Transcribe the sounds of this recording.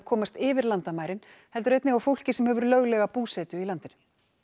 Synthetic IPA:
kʰɔːmast̪ɪːvɪɾlant̪amaːjɾɪnhɛlt̪ʏɾejt̪nɪɣawfowl̥cɪsɛmhɛvʏɾlœɣlɛɣapuːsɛːt̪ʏilant̪ɪnʏ

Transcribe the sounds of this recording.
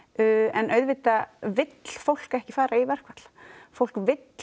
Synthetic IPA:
ʏɛnœɥðvɪt̪avɪt̪l̥fowl̥kɛhcɪfaːɾaivɛr̥kvat̪l̥fowl̥kvɪt̪l

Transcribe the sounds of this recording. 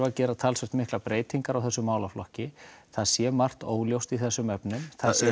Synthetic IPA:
acɛːɾat̪ʰaːlsɛkt̪mɪhklapɾeːjt̪iŋkaɾawθɛsːʏmːaːwlaflɔhcɪθaðsjɛːmar̥t̪oːwljowst̪iθɛsːʏmɛpnʏmθa

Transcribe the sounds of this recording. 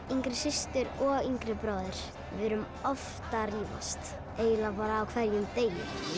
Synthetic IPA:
iŋkɾɪsɪst̪ʏɾɔɣiŋkɾɪpɾɔːðɪɾ̥ | vɪɾʏm | ɔft̪ariːva̰st̪ | eːjɪlapaːɾaːwkʰvɛɾjʏmt̪eːjjɪ̰ɾ̥

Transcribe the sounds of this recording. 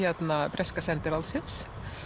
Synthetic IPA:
ɛt̪nɑpʰɾɛskasɛnt̪əɾɑlsɪns

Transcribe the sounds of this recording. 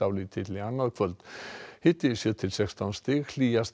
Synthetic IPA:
awlit̪ʰɪt̪lɪanːaðkʰvœlt̪hɪt̪ɪsjœt̪ʰɪlsɛkst̪ʰanst̪ekl̥ias

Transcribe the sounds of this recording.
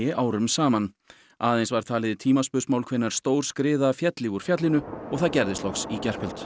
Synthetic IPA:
ɪʔaːwɾʏmsaːman | aːðejnsvaɾ̥t̪ʰaːlɪðɪt̪ʰiːmaspʏsmawlkʰvejnːaɾ̥st̪oːwr̥skɾɪːðafjɛt̪lɪɣuɾ̥fjat̪lɪnʏɔɣθaðcɛɾðɪst̪ɔxsicɛr̥pʰʏlt̪

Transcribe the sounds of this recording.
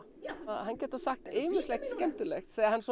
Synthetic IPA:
ahanːcɛːt̪asaxt̪ɪːmʏslɛxt̪scɛnt̪ʏlɛxt̪θɛaɾhanːs

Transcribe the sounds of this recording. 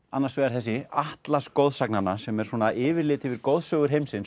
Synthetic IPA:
anːaɾsvɛɣaɾ̥θɛsːɪaht̪laskowðsaknanːasɛmɛɾ̥sɔːnaʔɪːvɪɾlɪːt̪ɪvɪɾkowðsœːɣʏɾ̥ɦejmsɪns

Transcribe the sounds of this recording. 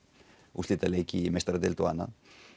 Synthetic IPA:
ust̪it̪alekimest̪ɾd̪elt̪uana̰

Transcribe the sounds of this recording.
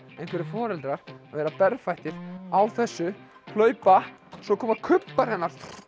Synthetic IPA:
ẽjŋkʰvɛɾɪfɔːɾɛlt̪ɾaɾ̥avɛːɾapɛɾfajht̪ɪɾ̥awθɛsːʏ | hʰlœːɥpa | sɔkʰɔːmakʰʏpːaɾɛnːaɾ̥

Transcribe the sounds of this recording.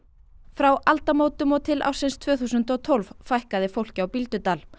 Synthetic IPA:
fɾawʔalt̪amoːwt̪ʏmɔt̪ʰɪlʔa̰wsɪnst̪ʰvœːθuːs̬ʏnt̪ɔt̪ʰolvfajhkaðɪfowl̥cɪawpilt̪ʏt̪aːl

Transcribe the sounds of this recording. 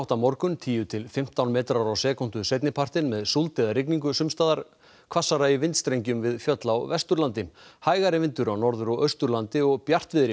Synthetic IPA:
wht̪amɔɾkʏnt̪ʰiːjʏt̪ʰɪlfɪm̥t̪awnmɛːt̪ɾaɾawsɛːkɔn̥t̪ʏsejt̪nɪpʰar̥t̪ɪnmɛðsult̪ɛðaɾrɪkniŋk̬ʏsʏmst̪aːðaɾ̥ | kʰv̥asːaɾaivɪnt̪st̪ɾejɲcʏmvɪðfjœt̪lawvɛst̪ʏɾlant̪ɪhaːjɣaɾɪvɪnt̪ʏɾawnɔɾðʏɾɔʔœɥst̪ʏɾlant̪ɪɔɣpjar̥t̪vɪðɾɪ

